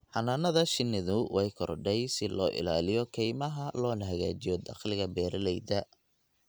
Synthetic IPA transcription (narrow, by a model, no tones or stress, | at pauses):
ħɑnanɐðɐʃɪnːɪðʊwʔɛjkʰɔrɖɛjsɪlɔ̰ːʔɪ̰la̰ːlɪjɔkʰɛjmɐɦɐlɔːlɐɦɐɣa̰ːt͡ʃɪjɔd̪ɑ̰qlɪɣɐbɛːɾɐlɛjðɐ